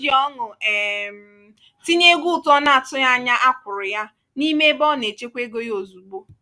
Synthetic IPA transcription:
ɔ˦ŋʊ˨ɛ˨m˨ | ti˦ɲe˦ɡʷu˦˨tɔ˦na˦˨a˨tʊ˦ja˦ɲa˦ʔa˦kʷʊ˨ɾɪ˨ja˦ | ni˦me˦bɔ˦˨ne˨t͡ʃe˦kʷe˦ɡo˦jo˨zu˨ɡ͡bo˦

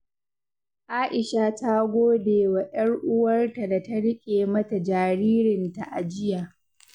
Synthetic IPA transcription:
ʔaː˦ʔɪ˨ʃa˨ta˦ɡʷoː˦deː˨wa˨j̰ɐ˦rʔʊ˦wɐ˦rta˨da˨tɐ˦ɽɪ˦kʲʼeː˨mɐ˦ta˨d͡ʒaː˨ɾiː˦ɾɪ˨nta˨ʔa˨d͡ʒɪ˦jaː˨

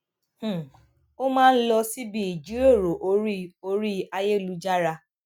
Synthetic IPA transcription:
h̩˦˨ | o˦mãː˦n̩˦lɔ˧si˦bi˧˦i˨d͡ʒu˨˦o˦˨ɾo˨ʔo˧˦ɾi˦o˧ɾi˦a˧je˦˨lu˨˦d͡ʒa˦ɾa˧

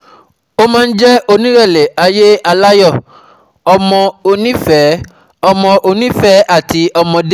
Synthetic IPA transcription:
o˦mãː˦n̩˦d͡ʒɛ˦o˧nĩ˦ɾɛ˦˨le˨ʔa˧je˦a˧la˦jɔ˦˨ | ɔ˧mɔ̃˧o˧nĩ˦fɛ˨˦ | ɔ˧mɔ̃˧ʔo˧nĩ˦fɛ˨˦ʔa˦˨ti˧ɔ˧mɔ̃˧de˦

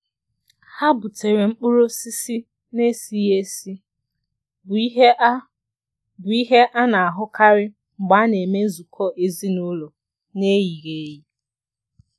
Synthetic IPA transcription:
ha˦bʊ˨te˨ɾe˨ŋ͡m̩˦k͡pʊ˦ɾo˦si˦si˦ | ne˦si˦e˦si˦˨˦ | bʊ˨i˦ɦe˦ʔa˦na˨a˨ɦʊ˦ka˦ɾɪ˦ | ŋ͡m̩˨ɡ͡ba˨˦ne˨me˦zu˨kʰɔ˦˨ʔe˦zi˦nʊ˦lo˨ | ne˦ji˨ɣe˨˦ji˦

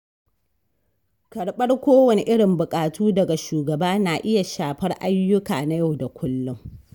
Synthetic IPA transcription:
kɐ˨ɽɓɐ˦rkʷoː˦wɐ˨ni˨ʔɪ˦ɽɪ˨mbʊ˨kʼaː˨tʰuː˦dɐ˨ɡa˨ʃuː˨ɡɐ˨baː˦naː˨ʔɪ˦ja˨ʃaː˨ɸɐ˦rʔa˦jːʊ˦ka̰ː˨na˦ja˦˨wda˨kʷʰʊ˦lːʊ˦ŋ

